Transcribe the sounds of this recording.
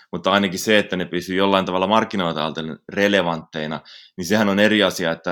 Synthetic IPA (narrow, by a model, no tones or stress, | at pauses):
mut̪ːɑinɑkisseet̪ːænepysyjolːɑint̪ɑʋɑlːɑmɑrkːinoilt̪ɑ̰lt̪ereleʋɑnt̪ːeinɑ̰ninsehænoneriɑsiɑet̪ːæ